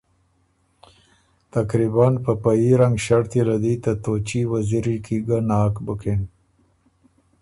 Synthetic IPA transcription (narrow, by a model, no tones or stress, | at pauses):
t̪akɾibanpəpajiɾaŋɡʃaɽt̪ilad̪it̪at̪ot͡ʃiwaziɾikʰiɡanɑːkbəken